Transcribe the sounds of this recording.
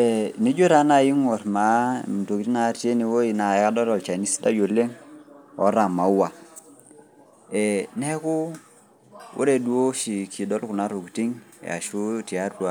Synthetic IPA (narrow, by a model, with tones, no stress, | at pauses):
e˨ni˦d͡ʒo˦ɾa˦na˦˨ji˦ŋo˨ɾma˨˦˨m˨to˨ki˦ti˦na˦ti˦e˦ni˨wo˦i˨na˨˦ka˦dɔ˦ɾɔ˨lt͡ʃa˨ni˦si̥˦da˦jo˨le˦ŋɔ˨˦ɾa˨ma˨u˦wa˨ | e˨nɛ˦ku˦ | wʔo̰˦ɾe˨du˦o˦ʃi˨kʰi˨dɔ˦lku˨na˨˦ɾo˨kti˦ŋja̰˨ʃu˦ti˨a˦ɾdu˨a˨˦